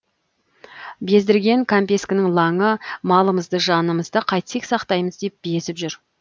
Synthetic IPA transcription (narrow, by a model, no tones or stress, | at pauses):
be̞zd̪ɪɾɡʲe̞ŋkʰampʲe̞skʲɪnɪŋlˠɑŋəmɑlˠəməzd̪əʒɑnəməzd̪əqʰɑjt̪seksɑqt̪ɑjməzd̪e̞p̚be̞sɪpʒʏɾ